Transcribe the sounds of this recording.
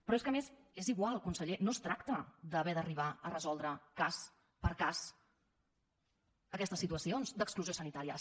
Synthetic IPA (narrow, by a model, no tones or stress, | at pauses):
pɾɔeskəmezeziɣwalˠkunsəʎenost̪ɾakt̪əd̪əβɛd̪əriβ̞aərəzɔlˠd̪ɾəkas | pəɾkas | əkɛst̪əsːit̪uəsionzd̪əkskluziosənit̪aɾiə